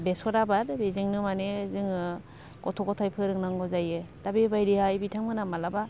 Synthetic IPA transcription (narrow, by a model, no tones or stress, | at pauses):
besɔɾabaɾbeziŋnɯmanezɯŋ | kɔtʰɔkɔtʰajpʰɯɾɯŋnaŋɡɔzajɯdabibajɾihajbitʰaŋɯnamalaba